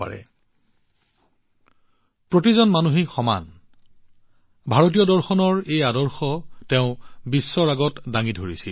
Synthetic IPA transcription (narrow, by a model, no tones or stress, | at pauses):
a̰ɹɛ̰ | pɹotizɔnmanuɦixɔma̰n | bʱaɹot̬ijɔdɔɹxɔnɔɹejadɔɹxɔteʊ̃bisːɔɹaɡɔtdaŋidʱoɹisi